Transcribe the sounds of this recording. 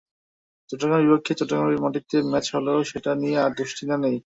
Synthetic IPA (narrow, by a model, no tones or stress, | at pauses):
t͡ɕɔʈoɡabipokʰːet͡ɕɔʈːoɡaimɔʈit̪ːemɛt͡ɕɦoleoʃeʈanieaɾd̪uʃʈʰinanej